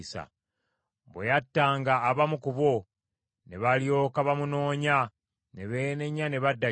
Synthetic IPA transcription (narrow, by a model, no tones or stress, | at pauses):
sa̰ | bwḛjatːaːŋɡaːβamukuβo | ne̞βalijo̞ːkaβamuno̞ːɲa | ne̞βeːneɲane̞βadːa